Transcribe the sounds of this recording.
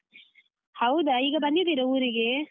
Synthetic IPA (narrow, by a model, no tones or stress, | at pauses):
hɐwd̪ɐiːɡɐbɐnd̪id̪iɾɐwɾiɡe